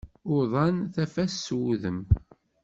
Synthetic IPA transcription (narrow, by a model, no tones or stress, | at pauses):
ʊðˤɑnθæfæsːuðəm